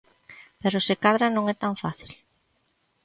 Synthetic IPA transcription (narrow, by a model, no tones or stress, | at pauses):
peɾʊsɪkaðɾanõŋɛt̪aɱfaθil